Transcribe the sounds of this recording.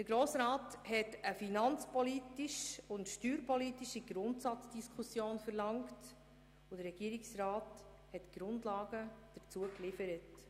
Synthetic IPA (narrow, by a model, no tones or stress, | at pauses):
d̥əɾɡ̥ɾoːsɾɑːthɛtəfinɑnt͡spɔlitiʃʊntʃtyːɾpɔlitiʃiɡɾʊntsɑt͡sd̥iskʰusjoːnfəɾlɑŋkt | ʊdəɾːɛɡ̥iəɾiksrɑːt | hɛtɡ̥ɾʊndlɑːɡəd̥əɾt͡suəklɪfəɾət